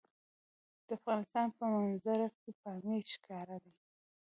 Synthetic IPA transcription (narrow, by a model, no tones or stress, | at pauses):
d̪̥əafɣɑnɪst̪ɑnpəmanzaɾakepɑmeʃkɑɾad̪a